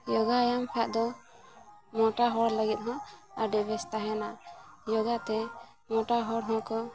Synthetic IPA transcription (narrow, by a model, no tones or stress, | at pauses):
jɔɡajampʰaʔd̪ɔ | mɔʈaɦɔɾləɡɛt̪̚ɦɔ̃aɖɛbʱɛst̪aɦɛnajɔɡat̪ɛ | mɔʈaɦɔɽɦɔ̃kɔ